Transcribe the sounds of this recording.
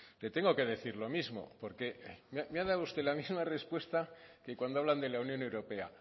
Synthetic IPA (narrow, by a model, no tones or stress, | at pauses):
le̞t̪e̞ŋɡo̞ke̞ðe̞θiɾlo̞mizmo̰po̞ɾke̞mameaðawust̪e̞lamizmare̞spwe̞st̪akekwand̪oaβland̪e̞launjone̞wɾo̞pe̞a̰